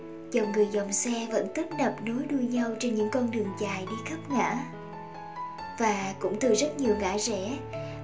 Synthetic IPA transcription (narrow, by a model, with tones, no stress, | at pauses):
zɔ˨˩wŋ͡mŋɨ˨˩əjzɔ˨˩wŋ͡msɛ˧və̰˧˥nt̪i˦˥t̚nə˨˩p̚nu˨˦jɗu˧əɲa˧wt͡ɕe˧nɲɨ̰˧˥ŋkɔ˧nɗɨ˨˩əŋzaː˨˩jɗi˧xə˦˥p̚ŋa̰ː˧˥ | vaː˨˩kʊ̰˧˥ŋ͡mt̪ɨ˨˩zə˦˥t̚ɲi˨˩əwŋa̰ː˧˥zɛ̰˧˥